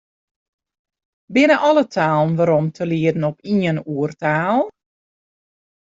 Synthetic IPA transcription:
bɪnəʔɔlˠətʰaːlˠnʋaːɾɔmtʰəliədn̩ɔpiənuərtaːlˠ

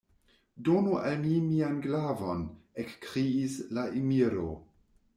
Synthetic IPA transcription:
donuʔalmimianɡlavonekːɾiːslaʔimiɾo̰

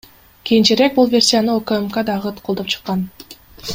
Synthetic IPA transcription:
kʲijint͡ʃeɾe̞k̚bulˠvʲe̞rʲsʲijanɯokəemkad̪ɑʁɯt̪qʰod̪opt͡ʃʰɯ̥qːɑn

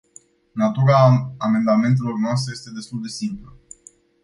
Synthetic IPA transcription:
nat̪uɾaːme̞nd̪ame̞nt̪̬e̞lo̞rnoast̪ɾejest̪e̞d̪e̞st̪uld̪e̞simplə

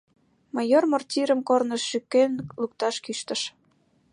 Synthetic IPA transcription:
mɑjormortʲiɾəmkornəʃːykːenluk̚t̪ɑʃkyʃt̪ə̆ʃ

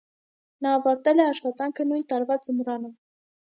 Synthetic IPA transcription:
nɑːvɑɾt̪ɛlɛɑʃχɑt̪ɑŋkʰənujnt̪ɑɾvɑt͡sənɾɑnə

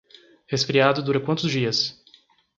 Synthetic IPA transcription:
hesfɾiad̪ʊd̪uɾɐkwɐ̃nt̪ʊzd͡ʒiɐs

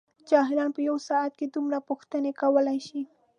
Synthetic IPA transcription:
t͡ʃɑɦɪɾɑnpəjawsɑat̪̚ked̪umɾapʊxt̪ənekawəlajʃi

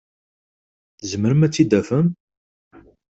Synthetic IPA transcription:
θzəməɾəmæt͡sːid̪æfəm

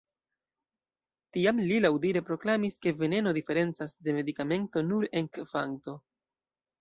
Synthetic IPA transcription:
tiamlilawdiɾe̞pɾo̞klamiske̞ve̞ne̞no̞dife̞ɾe̞nt͡sasde̞me̞dikame̞ntonuɾe̞ŋkfaŋto̞

